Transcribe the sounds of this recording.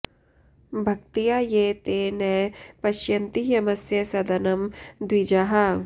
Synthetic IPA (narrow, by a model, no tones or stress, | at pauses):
bʱɐk̚t̪ijajeːt̪eːnɐːpɐʃjɐnt̪ijɐmɐsjɐsɐd̪ɐnɐmd̪ʋid͡ʒɐɦɐ